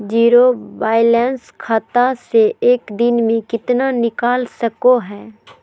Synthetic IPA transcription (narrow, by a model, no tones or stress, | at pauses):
d͡ʒiːɾoʋaːjɪlɛ̃ːnskʰaːt̪aseʔeːkd̪ɪnmẽkɪt̪nanɪkaːlsəkoɦɛː